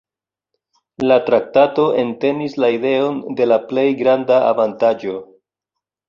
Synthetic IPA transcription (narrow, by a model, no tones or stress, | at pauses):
latɾak̚tato̞ʔe̞nte̞nislaide̞o̞nde̞laple̞jɡɾandaavantad͡ʒo̞